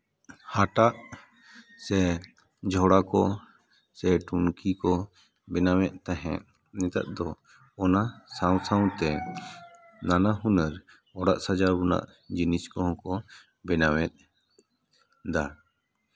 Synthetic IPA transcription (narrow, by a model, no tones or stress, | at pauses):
haʈaʔ | sɛ | d͡ʒʱɔɽakɔ | sɛʈunkikɔ | bɛnawɛʔ̪̚t̪aɦɛ̃ʔ | nɛt̪a̰t̪̚d̪ɔ | ɔnasaw̃sãw̃t̪ɛ | nanaɦunəɾ | ɔɽaʔsad͡ʒaɾbuna̰ʔ | d͡ʒiniskɔɦɔ̃kɔ | bɛnawɛt̪̚ˀ | d̪a